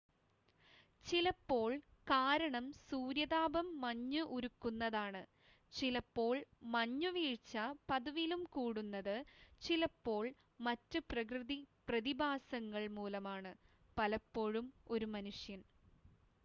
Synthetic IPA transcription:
t͡ɕilɐpːo̞ːɭkaːɾɐɳɐmsuːɾjɐðaːbɐmːɐɲːuʔuɾukːunːɐðaːɳɨ | t͡ɕilɐpːo̞ːɭmɐɲːuʋiːɻt͡ɕːɐpɐðuʋilumkuːɽunːɐðɨt͡ɕilɐpːo̞ːɭ | mɐtːɨprɐk̬rɨðiprɐðibʱaːsɐŋːɐɭmuːlɐmaːɳɨ | pɐlɐpːo̞ːɻumo̞ɾumɐnuʂjɐn

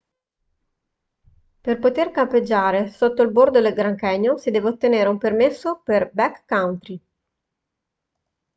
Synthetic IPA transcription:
perpot̪erkamped͡ʒːaːɾesot̪ːoilbord̪od̪elɡɾaŋkɛɲːosid̪ɛːveot̪ːeneːɾeumpermesːoperbɛkːawnt̪ɾi

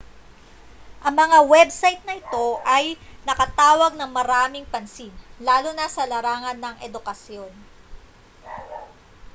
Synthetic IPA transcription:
ʔɐŋmɐŋawɛbsajt̪̚nɐʔɪt̪o̞ʔɐjnɐkɐt̪aːwɐɡ̚nɐŋmɐɾaːmɪŋpɐnsinlaːlonɐsɐlɐɾaːŋɐnːɐŋʔɛd̪ʊkɐsjo̞n

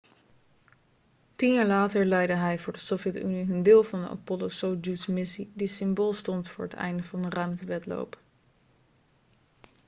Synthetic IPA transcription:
tinjaːɹlaːtəɹlɛjdəɦɛjvʊːɹdəsofjɛty̰niəndɪːlˠvɑndə̰ʔɑ̰pɔlowsowd͡ʒusmɪsidisɪmboːlˠstɔntfʊːɹɦətɛ̰jndəvɑndərœɥmtəʋɛtlo̰wp

